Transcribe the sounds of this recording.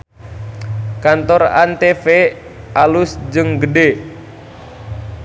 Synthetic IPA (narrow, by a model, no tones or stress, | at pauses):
kant̪ɔra̰nt̪efe | ʔalusd͡ʒɨŋɡəde